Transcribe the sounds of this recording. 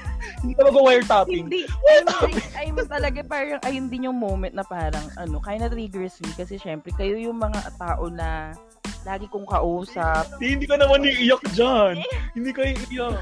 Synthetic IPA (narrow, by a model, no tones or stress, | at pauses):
hɪnd̪iːk̪ɐlɐɡawajɛɹt̪aːpɪŋd̪iwajɛt̪aːɪɐjmt̪ɐlɐɡapaːɾɐŋʔɐjond̪ɪnjʊŋmowmɛnt̪̚nɐpaːɾɐŋʔɐno̞kaːjɪnɐt̪ɾiɡɾɛsmikɐsɛʃɛmpɾɛkɐjo̞jʊŋmɐŋat̪aːʔo̞nɐ | laːɡɪkʊŋkɐʔuːsɐp̪̚hɪnd̪iːkɐnɐmaniʔɪjak̚d͡ʒanhɪnd̪iːkɐjɪʔɪjak